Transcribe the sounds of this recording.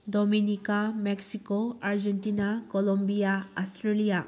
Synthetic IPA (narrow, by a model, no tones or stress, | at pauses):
dɔminikamɛksikoaɾd͡ʒɛntinakɔlɔmbijaɔstɾelija